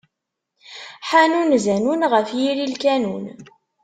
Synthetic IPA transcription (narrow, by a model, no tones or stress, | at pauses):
ħanunzænunʁəfjiɾilkænun